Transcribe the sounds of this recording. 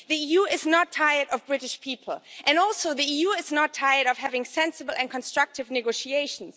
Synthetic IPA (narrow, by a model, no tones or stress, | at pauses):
ðiijuɪznətʰaɪə˞ɾʌvbɹɪɾɪʃpʰipʰl̩ˠʔɨ̃nɔlˠsoʊðiijuɪznətʰaɪə˞ɾʌv̥hævɪ̃ŋsɛ̃nsɨbl̩ˠɛ̃n̚kʰɔ̃nstɹ̥ʌk̚tɨvnɨɡoʊʃieɪʃn̩s